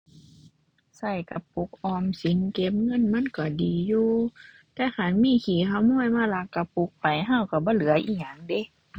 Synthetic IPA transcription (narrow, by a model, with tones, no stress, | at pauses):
sa˧˩jka˧˩pu˧˦k̚ʔɔː˧msi˨˦nke˧˥p̚ŋɤ˧˥˨nma˧˥˨nkɔ˧˩diː˨juː˧ | t̪ɛː˧˨xa˧˨˩nmiː˧˥˨kʰiː˨˩ɦa˧˩˨wmɔː˧˥˨jmaː˧˥˨la˧˥kːa˧˩pu˧˦k̚pa˨jɦa˧˩˨wka˧˩bɔː˧˦˨lɯ˨˦ɐʔiː˧˩ɲa˧˩˨ŋde˧˦˨